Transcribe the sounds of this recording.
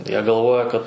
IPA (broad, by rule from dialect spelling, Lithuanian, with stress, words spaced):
ˈjiɛ ɡɐlˠˈʋoːjɛ kɐt